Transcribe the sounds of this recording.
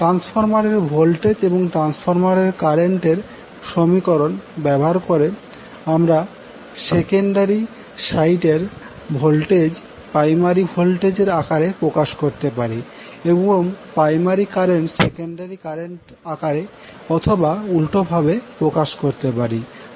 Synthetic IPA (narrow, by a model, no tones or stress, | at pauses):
ʈɾansfʰoɾmaɾeɾbʱolʈed͡ʑeboŋʈɾansfʰoɾmaɾeɾkaɾeɳʈeɾ | ʃomikoɾonbɛboɦaɾkoɾe | amɾa | sekeɳɖaɾi | sajʈeɾ | bʱolʈed͡ʑ | pɾajmaɾibʱolʈed͡ʑeɾakaɾepɾokaʃkoɾt̪epaɾi | ebooŋpɾajmaɾikaɾeɳʈsekeɳɖaɾikaɾeɳʈ | akaɾe | ɔt̪ʰobaulʈobʱabepɾokaʃkoɾt̪epaɾi